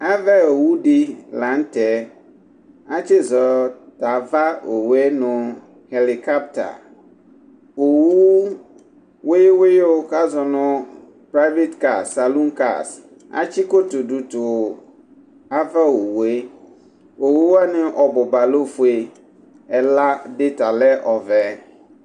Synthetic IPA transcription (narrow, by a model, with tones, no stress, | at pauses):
a˦va˦o˨wu˦dɪ˦lã˨˦n˦tɛ˨˦ | a˦t͡ɕɪ˦zɔ˨ta˨va˦o˨wu˨˦e˦nʊ̃˨ | he˨li˨ka˦p̚ta̰˨ | o˨wu˦ | we˦we˦jo˦ka˦zɔ˨nʊ̃˦ | pɾa˦ve˦t̪ka˨ssa˨lu˦ŋka̰˨s | a̰˦t͡ɕi˦ko˦t̪o˨ɖu˨t̪o˨ | a˦va˦wo˨wu˨e˦ | o˨wu˦a˦nɪ̃˦ʔɔ˨bʊ˨ba˨lo˦fu˨e˨ | ɛ˨la˦ɖɪ˦t̪a˨lɛ˦ʔɔ˨vɛ˨˦